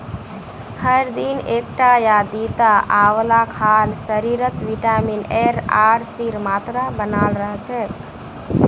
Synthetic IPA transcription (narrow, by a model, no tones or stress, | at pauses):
həɾd̪inek̚ʈajad̪it̪aʔaʋlakʰalsəɾiɾət̪ʋiʈamineɾaɾsiɾmat̪ɾəbənalɾəɦət͡ʃʰɛk